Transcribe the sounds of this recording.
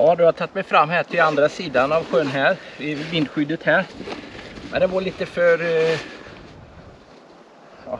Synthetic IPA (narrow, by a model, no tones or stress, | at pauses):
ɑːd̪ɵhat̪ʰat̪ːmɛjfɾamːɦæːʈʰɪland̪ɾasiːd̪anavɧøːnɦæːɾɪvɪnd̪ɧʏd̪ːət̪hæːɾ | mɛ̰nd̪ɛvaɾɭiːt̪əfœɾ | ɑ